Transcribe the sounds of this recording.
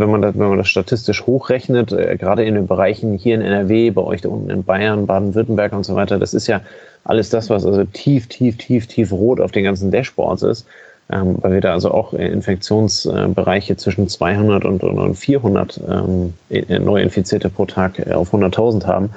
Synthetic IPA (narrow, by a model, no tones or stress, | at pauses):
vɛnmandavɛnmandasʃtatʰɪstɪʃhoːxʁ̥ɛçnətʔɡəʁaːɾəɪndeːnbəʁaɪçn̩hiːɐɪnɛ̰nɛɐveːbaɪʔɔ̰ʏçd̥aʔʊntn̩ɪ̰nbaɪɐnbaːdn̩vɪɐtn̩bɛɐkʊntz̥ovaɪtɐda̰sɪstjaː | ʔa̰ləsd̥asv̥asʔalzotʰiːftʰiːftʰiːftʰiːfʁoːta̰ʊfd̥eːnɡansn̩dɛʃpɔ̰ɐtsɪ̰st | ʔɛ̰ːmva̰ɪlviːɐdaːalzoʔa̰ʊxʔɛ̰ɪ̰nfɛk̚t͡sjoːnsʔɛ̰ːbəʁaɪçət͡sv̥ɪʃn̩t͡sv̥a̰ɪhʊndɐtʊ̰ntʊ̰nʊ̰ntfiːɐɦʊndɐ̰tʔɛ̰ːmː | nʔɔʏʔɪ̰nfit͡siːɐtəpʁ̥oːtʰaːka̰ʊfhʊndɐtʰaʊzn̩tha̰ːbm̩